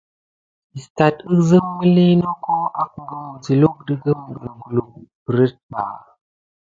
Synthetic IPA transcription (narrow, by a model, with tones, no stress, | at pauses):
i˨sta˨tə˦zə˦ŋmə˦li˦no˦ko˦ʔa˦k̚ŋ˨ɡə˨m˨ti˨lu˦k̚də˦ɡə˦mɡə˨ɾɡu˨lu˨bə˨ɾə˦t̚ba̰˨